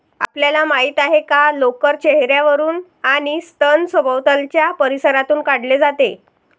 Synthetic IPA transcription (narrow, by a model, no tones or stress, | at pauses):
a̰pljalamaɦiːt̪aɦekalokəɾt͡ɕeɦɾjaʋəɾuːn | aɽ̃ist̪ənsəbʱəʋt̪əlt͡ɕjapəɾisəɾat̪uːnkaɽled͡zat̪e